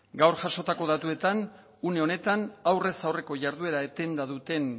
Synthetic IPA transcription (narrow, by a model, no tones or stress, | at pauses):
ɡawɾʝaʃo̞t̪ako̞ð̞at̪ue̞t̪an | une̞o̞ne̞t̪anawre̞sawre̞ko̞ʝaɾðue̞ɾaet̪e̞nd̪aðut̪e̞n